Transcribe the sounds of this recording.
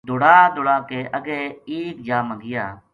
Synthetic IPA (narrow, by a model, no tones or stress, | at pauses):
d̪oːɽaːd̪oːɽaːkeːʔəɡeːeːkd͡ʒaːməɡɪjaː